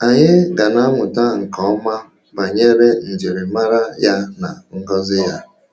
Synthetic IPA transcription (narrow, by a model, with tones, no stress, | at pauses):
a˨ɲɪ˦ɡa˨na˦ŋʷʊ˨ta˦ŋ̩˨kɔ˨˦ɔ˦ma˦ | ba˨ɲe˦ɾe˦n̩˨d͡ʒɪ˨ɾɪ˨ma˦ɾa˦ja˦na˨ŋ̩˦ɡɔ˦zɪ˦ja˦